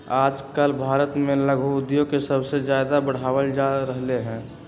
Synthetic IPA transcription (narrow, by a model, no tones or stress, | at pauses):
aːd͡ʒkəlbʱaːɾət̪mẽləɡʱud̪jõkesəbsed͡ʒjaːd̪abəɽ̤aːʋəld͡ʒaɾəɦleɦɛ̃ː